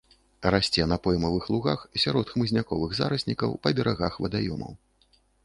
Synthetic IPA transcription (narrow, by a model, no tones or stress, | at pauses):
rasʲt͡sʲɛnɐpɔjmɐvɨxlˠuɣaxsʲaɾɔt̪xmɨzʲnʲakɔvɨɣza̰ɾɐsʲnʲikɐwpɐbʲɛɾʔaɣaxvɐd̪ajɔ̰mɐ̰w